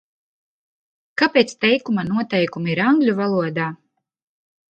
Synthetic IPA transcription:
kapʲeːt̪st̪ɛjkumanuɔt̪ɛjkumiiɾaŋɡlʲuvalˠuɔd̪aː

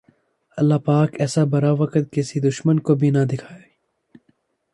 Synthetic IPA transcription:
ɐlːaːpaːkɛːsabɐɾaʋɐkət̪̚kɪsid̪ʊʃmənkobʱinɐd̪ɪkʰaːe

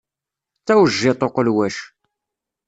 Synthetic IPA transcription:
t͡sːæwəʒːɪt̪ˤoqəlwæʃ

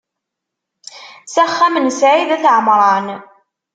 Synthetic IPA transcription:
sæχːæmənsʕiðæθʕəmɾˤɑn

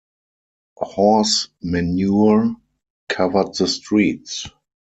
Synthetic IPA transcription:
hɔsmɛnjuəɹ | kʰavə˞dðəstɹiːts

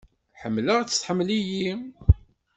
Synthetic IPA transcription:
ħəmːləʁt͡sːθħəmːliji

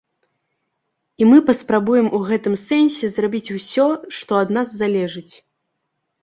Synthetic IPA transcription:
imɨpɐspɾabujɛmuɣɛt̪ɨmsɛnʲsʲɛzrabʲit͡sʲusʲɔʂt̪ɔɐd̪nazːalʲɛʐɨt͡sʲ

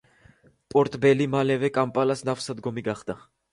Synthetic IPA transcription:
pʼɔɾt̪ʼbɛlimalɛvɛkʼampʼalasnafsad̪ɡɔmiɡaχd̪a

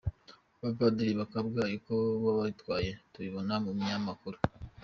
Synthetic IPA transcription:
βavadiɾiβakabɡaɾikoβaβaβitwaːje̞tuβiβonamumɲamakuɾu̥

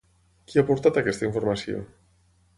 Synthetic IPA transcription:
kiapoɾt̪at̪akɛst̪aiɱfoɾmasjo̰

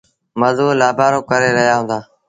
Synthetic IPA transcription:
məzuːlaːbʱaːɾoːkəɾeːɾəɦjaːɦʊ̃ːnd̪aː

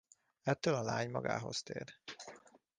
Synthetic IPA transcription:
ɛt̪ːølɒlaːɲmɒɡa̰ːɦo̞st̪eːr

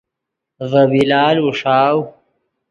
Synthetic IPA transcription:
vɐbilaːluʂaːw

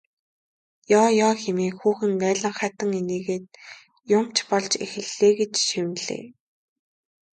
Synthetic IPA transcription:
jɔːjɔːxemeːxuːxɘ̆npæːɮə̆ɴχæːt̪ə̆ŋeneːɣeːt̪̚ | jʊm̥t͡ɕpɔɮt͡ɕḛxɘ̆ɮːeːɡet͡ɕʃiwɮḛː

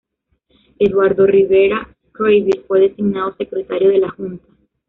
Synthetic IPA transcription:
e̞ðwaɾðo̞riβe̞ɾa | kɾojβiɾfwe̞ðe̞siɡnaðo̞se̞kɾe̞t̪aɾjo̞ðelaxunt̪ḁ

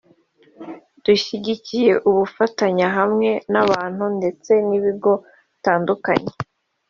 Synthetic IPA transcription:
d̥uʃiɟicije̞ʔuβufataɲaɦamŋe̞naβaːn̥hunde̞t͡se̞niβiɡo̞ | taːnduka̰ɲe

